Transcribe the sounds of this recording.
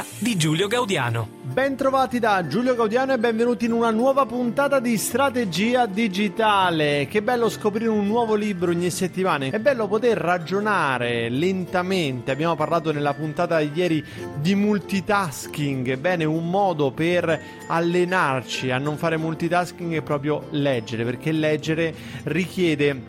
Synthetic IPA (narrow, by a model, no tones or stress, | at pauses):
d̪id͡ʒuːljoɡawd̪ja̰ːno̰ | bɛnt̪ɾovaːt̪id̪ad͡ʒuːljoɡawd̪jaːnoɛbːɛɱvenuːt̪inunanwɔːvapunt̪aːt̪ad̪ist̪ɾat̪ed͡ʒiːad̪id͡ʒit̪aːlekebːɛlːoskopɾiːɾeunːwɔːvolibɾooɲːiset̪ːimaːneɛbːɛlːopot̪erːad͡ʒonaːɾelent̪ament̪eabːjaːmoparlaːt̪onelːapunt̪aːt̪ad̪ijɛːɾi | d̪imult̪it̪askiŋɡɛbːɛːneumːɔːd̪oper | alːenart͡ʃianːoɱfaːɾemult̪it̪askiŋɡepːɾɔːpɾjolɛd͡ʒːeɾeperk̟elːɛd͡ʒːeɾe | rik̟jɛːd̪e